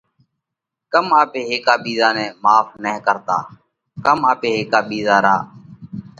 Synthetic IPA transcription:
kəmaːpeːɦeːkaːɓiːzaːnɛ̃ːmaːfʰnɛ̃ːkəɾt̪a̰ː | kəmaːpeːɦeːkaːɓiːzaːɾaː

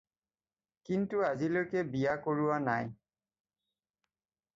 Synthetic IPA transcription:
kintuazilojkɛbijakoɹuwanaj

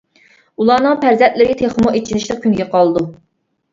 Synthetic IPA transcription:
ulˠɑːnɨŋpʰæɾzɛnt̪̚lɪɾɪt̪ʰeχmuet͡ʃʰinɪʃlˠəq̚kʲʰynɡʲɛqʰɑlˠɨd̪u

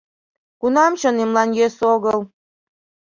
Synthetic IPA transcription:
kunɑmt͡ɕonemlɑnjesoɣəlˠ

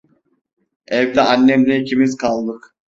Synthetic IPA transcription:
ɛvd̪ɛanːɛmlʲicʰimizkʰalˠd̪ɯk

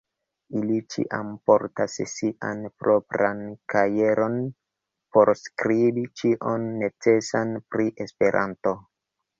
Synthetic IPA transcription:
ilit͡ʃḭʔa̰mpo̞ɾtassiʔanpɾo̞pɾankaje̞ɾo̞n | po̞ɾskɾibit͡ʃiʔonːe̞t͡se̞sanpɾiʔe̞spe̞ɾʔa̰nto̞

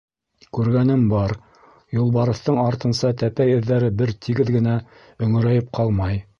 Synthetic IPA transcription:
kʉɾɡænɘmbɑɾ | julˠβɑɾɤ̆θt̪ɤɴɑɾt̪ɤ̆nsɑt̪æpæjɵ̆ðːæɾɘbɘɾt̪ʰiɡɘðɡɘ̆næ | ɵ̆ŋɘ̆ɾæjɘp̚qʰɑlˠmɑj

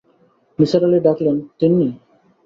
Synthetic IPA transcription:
misaɾaleɖaklent̪inːi

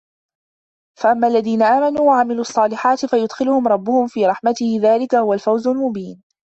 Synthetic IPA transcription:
faʔamːaʔalːaðiːnaʔaːmanuːwaʕamɪluːʔɑsˤːɑːlɪħaːt̪ɪfajʊd̪xɪlʊhʊmɾˤɑbːʊhʊmfiːɾˤɑħmat̪ɪhɪðaːlɪkahʊwalfawzʊlmʊbiːn

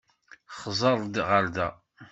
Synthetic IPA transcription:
χzˤɑɾˤd̪ʁəɾd̪æ

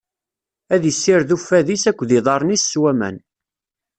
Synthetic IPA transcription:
æðisːɪɾðufːæðisækʷːðiðˤɑɾˤnisːwæmæ̰n

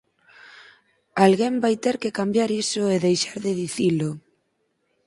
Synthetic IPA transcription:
alɣembajt̪eɾkɪkambjaɾisʊeðejʃaɾðɪðiθilʊ

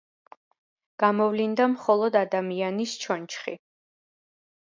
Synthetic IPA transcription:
ɡ̥amɔvlind̪amχɔlˠɔd̪ad̪amianist͡ʃʰɔnt͡ʃʰχi

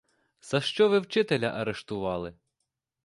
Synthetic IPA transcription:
sɐʃt͡ʃɔʋɪwt͡ʃɪt̪elʲɐʔɐɾeʃt̪ʊʋɑlˠɪ

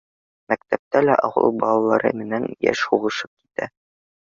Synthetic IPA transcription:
mækt̪æp̚t̪ælæʔɒwɤ̰lˠbɒlˠɑlˠɑɾɤ̰mɘ̆nænjæ̰ʃhuʁɤ̆ʃɤp̚ki̥t̪æ

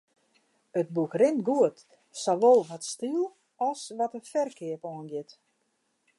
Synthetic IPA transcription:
ət̚bukrɪnɡuət | sɔʋolˠʋɔtstilˠ | ɔsʋɔtənfɛrkʰɪəpɔənɡɪt

